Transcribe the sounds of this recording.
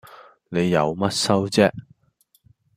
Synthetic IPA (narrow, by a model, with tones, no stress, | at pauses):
ne˨˧jːɐ˨˧wmɐ˥t̚sɐ˥wt͡sɛː˥